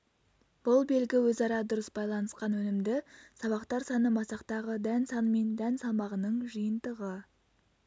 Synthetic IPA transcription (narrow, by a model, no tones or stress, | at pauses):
b̥ʊlˠbe̞lɡʲɪwɵzɑɾɑd̪ʊɾəsbɑjlˠɑnəsqɑnwɵnɪmd̪ɪsɑβɑqt̪ɑɾsɑnəmɑsɑqt̪ɑʁəd̪ænsɑnəme̞nd̪ænsɑmɑʁənəɴʒəjənd̪əʁə